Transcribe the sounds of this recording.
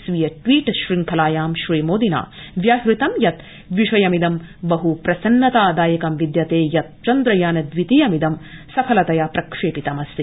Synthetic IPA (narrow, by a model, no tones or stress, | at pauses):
sʋijɐʈʋiːʈʃɾiŋkʰɐlaːjaːmʃɾiːmoːd̪ina̰ːʋjaːɦɾit̪ɐmjɐt̪ | ʋiʂɐjɐmid̪ɐmbɐɦupɾɐsɐnːɐt̪aːd̪aːjɐkɐmʋid̪jɐt̪eːjɐt̪̚t͡ʃɐnd̪ɾɐjaːnɐd̪ʋit̪ijɐmid̪ɐmsɐpʰɐlɐt̪ɐjapɾɐkʂeːpit̪ɐmɐsi